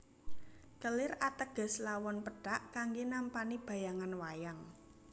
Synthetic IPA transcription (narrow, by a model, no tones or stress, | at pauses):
kəlɪrat̪əɡ̥ə̤slawɔnpəɖ̥aʔkaŋɡenampanib̥ä̤jaŋanwajaŋ